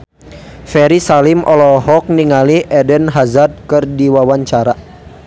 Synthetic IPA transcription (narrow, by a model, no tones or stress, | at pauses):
fɛɾisalimʔɔlɔɦɔk̚niŋaliʔɛdənɦazad̪̚kərdiwawaɲt͡ʃaɾa